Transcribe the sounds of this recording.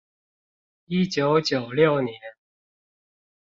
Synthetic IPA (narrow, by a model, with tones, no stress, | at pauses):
i˥˩t͡ɕjo˨˧˥ʊt͡ɕjo˨˩ʊljo˥˨ʊnjɛ˨˦n